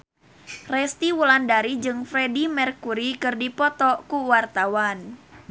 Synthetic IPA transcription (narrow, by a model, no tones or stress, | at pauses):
rɛst̪iwulandaɾid͡ʒɨŋfɾɛdimɛrkuɾikɨrdipɔt̪ɔkuwart̪awan